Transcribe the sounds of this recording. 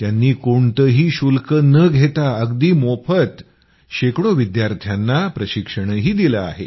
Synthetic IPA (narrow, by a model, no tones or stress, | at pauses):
t̪janːiːkoɳt̪əɦiːɕulkənəɡʱet̪aəɡd̪iːmopʰət̪ | ɕekɽoʋid̪jaɾt̪ʰjanːapɾəɕikʂəɳ̃ɦiːd̪iləa̰ɦḛ